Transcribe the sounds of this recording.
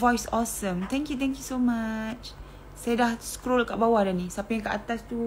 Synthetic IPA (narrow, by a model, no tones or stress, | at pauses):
vɔjsɔsə̃mt̪ɛ̃ŋkjut̪ɛ̃ŋkjusomat͡ʃ | sajadahskɾolkaʔbawadanĩsapajãŋkaʔat̪ast̪u